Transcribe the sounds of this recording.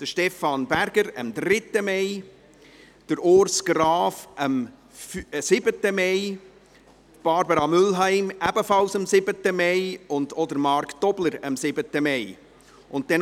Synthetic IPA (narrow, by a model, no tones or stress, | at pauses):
d̪̥əʃtɛfɑnbæɾɡ̥əɾəmdɾɪtːəmɛɪ | d̥əɾoːɾsɡ̥ɾɑːfʔəm | fsɪbətːəmɛɪ | b̥ɑɾbəɾɑmʏlɦæɪmæbəfɑlsəmsɪbətəmɛɪʊndɔd̪əɾmɑɾktɔbləɾəmsɪbətəmɛɪ | ʔʊnttːɛn